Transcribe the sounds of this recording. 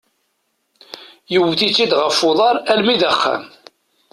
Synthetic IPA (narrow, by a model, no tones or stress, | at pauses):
jəwθit͡sːid̪ʁəfːʊðˤɑɾˤælmiðæχːæ̰m